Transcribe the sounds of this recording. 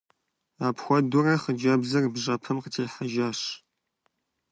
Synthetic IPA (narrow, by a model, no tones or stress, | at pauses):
aːpxʷɔdʊrɐχəd͡ʒɐbzɐrbʒɐpʰɨmqətʰeːħaʒaːɕ